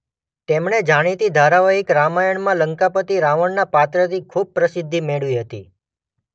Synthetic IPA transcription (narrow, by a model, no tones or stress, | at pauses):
t̪emɳed͡ʒaɽ̃it̪id̪ʱaɾaʋaɦikɾamajəɳmãləŋkapət̪iɾaʋəɳnapat̪ɾət̪ʰikʰub̚pɾəsɪd̪ʱːimeɭʋiɦət̪ḭ